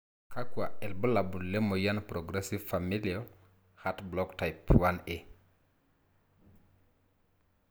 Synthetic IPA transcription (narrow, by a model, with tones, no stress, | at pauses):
kʰa˦kwa˨ɛ˨lbɔ˦la˨bu˨nle˦mo˨ja˦npɾo˨ɡɾe˦si˦vfa˨mi˦lio | ha˦tblɔ˦kta˨jpwa˦ne